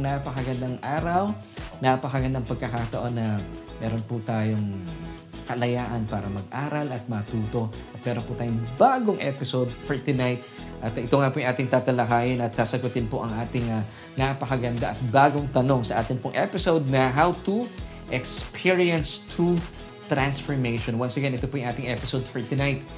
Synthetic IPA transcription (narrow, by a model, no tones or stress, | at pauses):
napɐkɐɡɐnd̪aŋʔaːɾɐw | napɐkɐɡɐnd̪aɐŋpɐɡ̚kɐkat̪ɐʔo̞nːɐ | mɛːɾo̞npʊt̪aːjoŋ | kɐlɐjaːʔɐnpaːɾɐmɐɡ̚ʔaːɾɐlɐt̪̚mɐt̪uːt̪o̞t̪̚mɛːɾonpʊt̪aːjʊŋbaːɡoŋʔɛ̰pɪsod̪̚fɔɹt̪ɪnajt̪̚ | ʔɐt̪ɪt̪oŋapojɐŋʔaːt̪ɪŋt̪aːt̪ɐlɐkaːjɪnɐt̪sasɐɡʊt̪ɪnpoʔɐŋʔaːt̪ɪŋɐ | napɐkɐɡɐnd̪aʔɐt̪̚baːɡo̞ŋt̪ɐno̞ŋsɐʔaːt̪ɪnpoŋʔɛpɪsowd̪̚nɐɦawt̪u | ʔɛkspʰiɹiɐnst̪ʰu | t̪ɾansfoɹmejʃonwɐnsɛɡanɪt̪opojʊŋʔaːt̪ɪŋʔɛpɪsowd̪̚fɛɹt̪ʊnajt̪